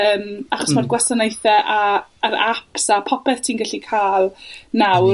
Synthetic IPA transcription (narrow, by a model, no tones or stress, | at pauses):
əːmaχɔsmarɡwastanejθɛʔaːɾapsapʰɔpʰɛθtʰinɡɛɬikʰaːlˠnaw